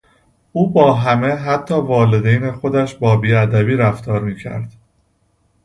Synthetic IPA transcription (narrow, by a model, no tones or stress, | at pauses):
uːbɒːɦæme̞ɦæt̪ʰːɒːvɒːle̞d̪ejnexo̞d̪æʃbɒːbiːæd̪æbiːɾæft̪ʰɒːɾmiːcʰæ̰ɾd̪̥